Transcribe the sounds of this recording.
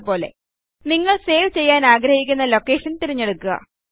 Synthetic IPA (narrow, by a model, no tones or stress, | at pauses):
po̞ːle̞̰ | niŋːɐɭse̞ːʋt͡ɕe̞jːaːnaːɡɾɐhikʲːunːɐlo̞kːe̞ːʂɐnt̪iɾiɲːe̞ɽukːuɣɐ̰